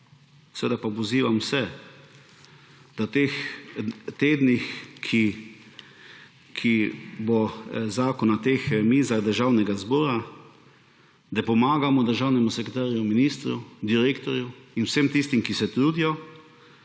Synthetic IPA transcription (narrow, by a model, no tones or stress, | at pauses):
sɛʋeːd̪apapɔziːʋamwsɛ | d̪̥awt̪eːx | t̪eːd̪nixkʰi | kʰibɔzaːkɔnat̪eːxmiːzaɣd̪əɾʒaːwnɛɡazbɔːɾa | d̪apɔmaːɡamɔd̪əɾʒawnɛmusɛkɾet̪aːɾjuminiːst̪ɾud̪iɾeːkt̪ɔɾjuinwsemt̪ist̪imkisɛt̪ɾuːd̪ijɔ